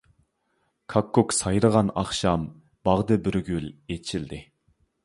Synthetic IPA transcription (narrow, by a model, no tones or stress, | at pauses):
kʰɑkːuksɑjɾəʁɑnɑχʃɑm | b̥ɑʁd̪ɨbyɾɡʲylet͡ʃʰild̪ɪ